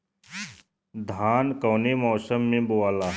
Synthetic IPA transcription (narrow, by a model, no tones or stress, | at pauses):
d̪ʱaːnkɔːnemɔːsəmːẽbuwaːlaː